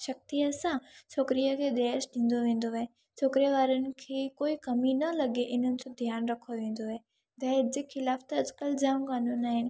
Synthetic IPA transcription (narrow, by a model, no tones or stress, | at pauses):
ʃɐk̚t̪iəsãt͡ɕʰoːkɾijəkʰeːd̪ɛːʃɗĩːn̆d̪oʋẽːn̆d̪oɦe | t͡ɕʰoːkɾiʋaːɾənɪ̆kʰeːkoːikɐminɐlɐɠeʔɪn̤ənɪ̆d͡ʑõd̪ʱjaːnɾɐkʰoʋẽːn̆d̪oɦɦe | d̪ɛːd͡ʑeːxɪlaːft̪ɐɐd͡ʑkəld͡ʑaːmkaːnũːnaːɦɪnɪ̆